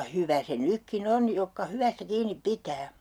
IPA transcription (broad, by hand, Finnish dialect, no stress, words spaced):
hyʋæ se nykːin on jokːɑ hyʋæstæ kiːnip pitæː